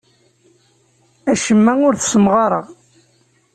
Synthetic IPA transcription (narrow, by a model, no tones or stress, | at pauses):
æʃəmːæʊɾθə̥səmʁɑɾˤəʁ